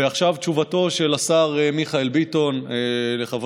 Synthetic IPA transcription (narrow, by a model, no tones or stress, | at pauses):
eaχʃavt͡ʃuvato̞ʃe̞lasaʁemiχaelbito̞nele̞χav